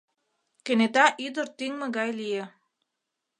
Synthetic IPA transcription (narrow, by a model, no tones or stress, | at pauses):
kĕnet̪ɑʔyd̪ə̆ɾt̪yŋmĕɣɑjlije